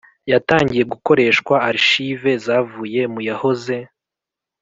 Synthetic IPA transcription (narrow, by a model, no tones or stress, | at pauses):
jataːɲɟije̞ɡuko̞ɾe̞ːʃkwaːɾiʃive̞zaːvuːje̞mujaho̞ze̞